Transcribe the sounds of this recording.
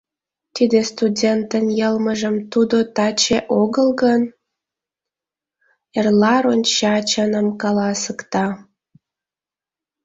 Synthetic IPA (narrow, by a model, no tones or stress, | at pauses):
t̪id̪est̪udʲent̪ənjəlməʒəmt̪ud̪ot̪ɑt͡ɕeʔoɣəlɣən | erlɑɾonʲt͡ɕɑt͡ɕənəmkɑlɑsəkt̪ɑ